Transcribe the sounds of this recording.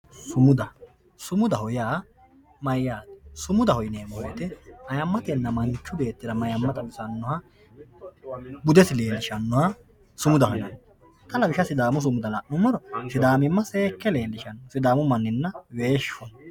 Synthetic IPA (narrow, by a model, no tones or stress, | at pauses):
sʊmʊd̪ɐ | sʊmʊd̪ɐhɔjaː | mɐjːaːt̪ɛ̥sʊmʊd̪ɐhɔjneːmɔjɛt̪ɛɐjɐmːɐt̪ɛnːɐmɐnt͡ʃːʊbe̞ːt̪ːɪd̪ɐmɐjɐmːɐt̪ɐwʊsɐnːɔhɐ | bʊd̪ɛsɪleːlɪʃɐnːɔhɐ | sʊmʊd̪ɐhɔjnɐn | t̪ɐlɐbɪʃɐsɪd̪aːmʊs̬ʊmʊd̪ɐlɐʔnʊmːɔɾɔsɪd̪aːmɪmːɐse̞ːkːɛleːlɪʃɐnːɔsɪd̪aːmʊmɐnːɪnːɐweːʃɔn